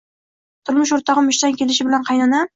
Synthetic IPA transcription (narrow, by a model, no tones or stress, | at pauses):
t̪ʰʊɾmʊʃ̬oɾt̪ʰɒʁɨmʊʃt̪ankʲe̞lɪʃ̬ɪbɪlanqʰɑjnana